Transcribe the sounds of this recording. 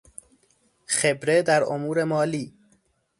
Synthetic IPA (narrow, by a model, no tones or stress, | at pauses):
xebɾe̞d̪æɾo̰muːɾe̞mɒːliː